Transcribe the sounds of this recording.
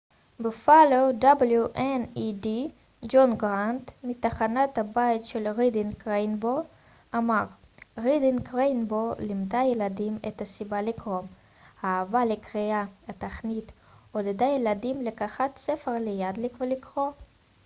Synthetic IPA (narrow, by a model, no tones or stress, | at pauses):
befalowd̪abljuʔenidi | d͡ʒonɡʁant̪mit̪aχanat̪habait̪ʃelʁid̪inkʁejnbo | amaʁ | ʁid̪inkʁenbolimd̪ajeladimet̪asibalikʁo̞m | haːvalekʁiaat̪aχnit̪ | od̪ed̪ajelad̪imlekaχat̪sefeʁlejad̪likvlikʁo